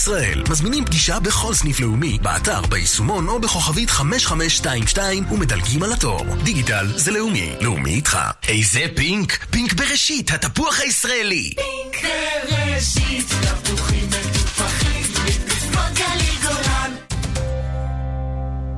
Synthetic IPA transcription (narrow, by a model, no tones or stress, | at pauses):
sʁaʔḛlmazminimpɡiʃabe̞χo̞lsnifle̞umibḛa̰ta̰ʁbeisumo̞no̞beχo̞χavitχame̞ʃχameʃːtaimʃtaimume̞dalɡimalato̞̰ʁd̪iɡitalzeleumḭleṵmḭːtχa̰e̞jzepiŋkpiŋkbeʁeʃithatapuaχhaisʁaeli | eʃitapuχimet̪upaχimiakaliɡolan